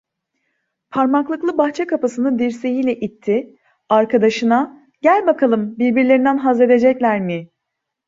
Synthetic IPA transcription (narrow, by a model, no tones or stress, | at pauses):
pʰaɾmaklˠɯklˠɯbaxt͡ʃʰɛkʰapasɯnɯd̪iɾse̞jijlʲɛʔit̪ʰːɪ | aɾkʰad̪aʃɯna | ɟ̥ælʲbakʰalˠɯmbiɾbiɾlʲeɾind̪ænɦazɾed̪e̞d͡ʒɛclʲæɾmi